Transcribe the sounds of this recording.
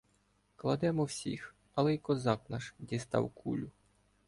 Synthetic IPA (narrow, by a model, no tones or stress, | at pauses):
klˠɐd̪ɛmɔwsʲḭx | ɐlˠɛjkɔzɑknɑʃdʲist̪ɑ̰wkʰṵlʲʊ